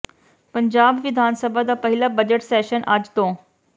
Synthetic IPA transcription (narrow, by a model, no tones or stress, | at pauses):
pəɲd͡ʑabʋid̪ʱansəbʱad̪apəɦilabəd͡ʑəʈsɛɕənʔa̰d͡ʑt̪õ